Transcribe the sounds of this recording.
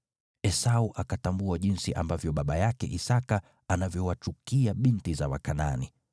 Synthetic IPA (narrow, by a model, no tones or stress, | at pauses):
ɛsauʔakatambuaʄinsiʔa̰mbavjɔɓaɓajakɛ̰ʔisaka | anavjɔwat͡ʃukiaɓintizawa̰kanani